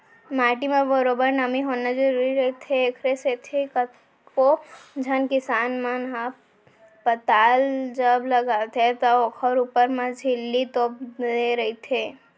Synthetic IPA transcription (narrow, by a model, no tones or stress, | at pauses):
maːʈimebəɾoːbəɾnəmiɦoːnad͡ʒəɾuɾiɾɐit̪ʰeekʰɾeset̪ʰekə | kod͡ʒʱɐnkɪsaːnmanɦa | pət̪aːld͡ʒəbləɡaːt̪et̪ooːkʰəɾuːpəɾmãd͡ʒʱɪlːit̪oːp̚deɾɐit̪ʰeː